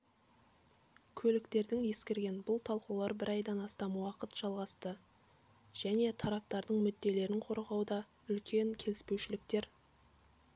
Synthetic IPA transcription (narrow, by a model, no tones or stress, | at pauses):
kʲʰɵlɪkt̪e̞ɾd̪ɪŋje̞skʲeɾɡʲe̞nbʊlˠt̪ʰɑlˠqɑwlˠɑɾbɪɾɑjd̪ɑnɑst̪ɑmwɑqət̪ʒ̥ɑlˠʁɑst̪ə | ʒ̥æne̞t̪ʰɑɾɑp̚t̪ɑɾd̪əɴmʏd̪ːe̞le̞ɾɪɴqʰo̞ɾʁɑwd̪ɑ | ʏlkʲʰe̞ŋkʲʰe̞lɪspe̞wʃɪlɪk̚t̪e̞ɾ